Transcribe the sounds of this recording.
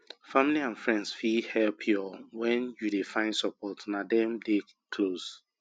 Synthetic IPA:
familiãnfɹɛ̃ndsfihɛlpʰjɔwɛ̃njudefãɪ̃nsɔpɔtnadɛ̃mde | kʰlos

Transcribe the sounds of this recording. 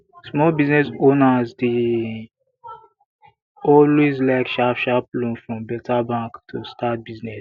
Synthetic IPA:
smɔlbiznɛsonazde | ɔlwezlaɪkʃafʃaplũnfɾɔ̃mbɛtʰabãŋktʰustat̚biznɛs

